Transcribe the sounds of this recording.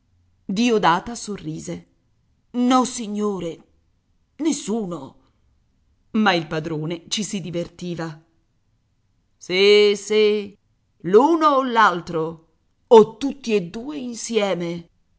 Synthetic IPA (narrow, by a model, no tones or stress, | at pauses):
d̪iːod̪aːt̪asorːiːze | nɔsiɲːoːɾe | nesːuːno | mailpad̪ɾoːnet͡ʃisid̪ivert̪iːva | sisi | luːnoːlalt̪ɾo | ot̪ːut̪ːied̪uːeinsjɛːme